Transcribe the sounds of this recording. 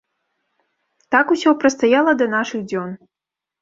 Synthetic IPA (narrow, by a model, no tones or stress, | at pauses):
t̪akusʲɔpɾɐst̪ajalˠɐd̪ɐnaʂɨɣd͡zʲɔn